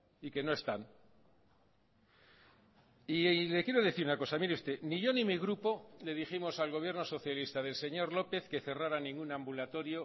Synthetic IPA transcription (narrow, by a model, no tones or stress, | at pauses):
ike̞no̞e̞st̪an | ile̞kje̞ɾo̞ðeθiɾunako̞samiɾeust̪e̞niʝo̞nimiɣɾupo̞le̞ðiximo̞salɣ̞o̞βje̞ɾno̞so̞θjalist̪aðe̞lse̞ɲo̞ɾlo̞pe̞θke̞θeraɾanĩŋɡunãmbulat̪o̞ɾjo̞